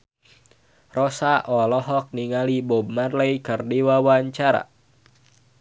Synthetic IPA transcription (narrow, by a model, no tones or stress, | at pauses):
rɔsaʔɔlɔɦɔk̚niŋalibɔbmarlɛjkərdiwawaɲt͡ʃaɾa̰